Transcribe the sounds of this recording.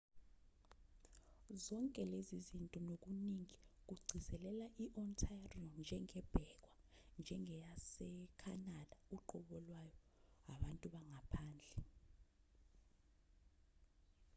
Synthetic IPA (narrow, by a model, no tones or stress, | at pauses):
zɔŋkʼɛlezizintʼɔnok̬uniŋik̬uɡ͡ǀʱizɛlɛlaʔiʔɔntʰajriɔnd͡ʒʱɛŋɛb̥ʱɛk̬wand͡ʒʱɛŋɛjasɛkʰanad̥auǃɔɓɔlwajɔaɓantʼuɓaŋapʰaːnd͡ɮʱɛ